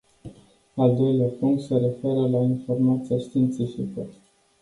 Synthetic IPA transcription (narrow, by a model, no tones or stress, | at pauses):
ald̪o̞jleapuŋk̚t̪se̞ɾe̞fe̞ɾəlainfo̞rmat̪siaʃt̪iːnt̪sifikə